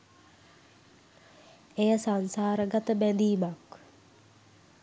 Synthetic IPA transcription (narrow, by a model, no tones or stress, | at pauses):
ejəsansaːɾəɡat̪əbænd̪iːmak